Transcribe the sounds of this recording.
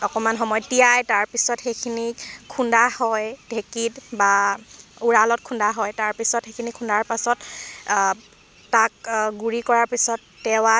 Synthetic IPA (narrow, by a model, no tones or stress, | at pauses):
ɔkɔmanɦɔmɔjɔtijajtaɹpisɔtxejkʰinikʰundahɔjdʱekitba | uɹalɔt̚kʰundaɦɔjtaɹpisɔtxejkʰinikʰundaɹpasɔt | tak̚ɡuɹikɔɹaɹpisɔtːɛwa